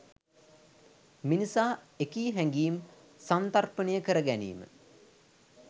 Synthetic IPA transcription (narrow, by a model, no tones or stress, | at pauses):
minisaː | ekiːɦæŋɡiːm | sant̪arpənəjəkəɾəɡænḭːmə̰